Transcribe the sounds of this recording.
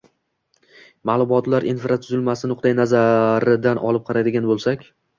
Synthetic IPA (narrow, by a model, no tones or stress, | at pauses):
malˠʊmɒt̪laɾʔinfɾat̪ʰʊzɪlmasɪnʊqd̪ajnazaɾɪd̪anʔɒ̰lˠɪp̚qʰɑɾajd̪ɪɡʲanbolˠsakʲ